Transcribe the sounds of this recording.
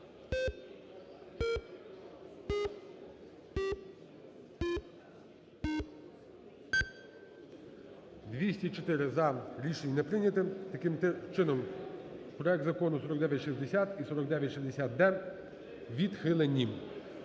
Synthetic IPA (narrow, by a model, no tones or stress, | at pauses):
d̪ʋʲisʲtʲit͡ʃɔt̪ɪɾɪzɐɾʲiʃenʲnɛpɾɪnʲɐt̪ɪmt̪ɐkɪmt͡ʃɪnɔm | pɾɔɛk̚d̪zɐkɔnʊsɔɾɔkɡd̪ɛʋʲjɐtʲʃizʲd̪esʲat̪isɔɾɔɡd̪ɛʋʲjɐtʲʃizd̪esʲat̪̚d̪ɛ | ʋʲid̪xɪlˠenʲːim